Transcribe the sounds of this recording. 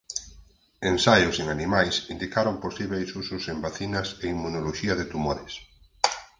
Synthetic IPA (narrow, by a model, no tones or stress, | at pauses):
ensajʊseŋanimajsind̪ikaɾomposiβejsusʊsembaθinɐseimːunoloʃiɐðɪt̪umoɾes